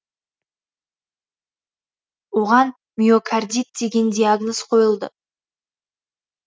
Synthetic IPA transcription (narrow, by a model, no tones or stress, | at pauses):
oʁɑn | mʲiokʰard̪ʲit̪̚d̪e̞ɡʲe̞nd̪ʲiaɡnozqʰo̞jəlˠd̪ə̰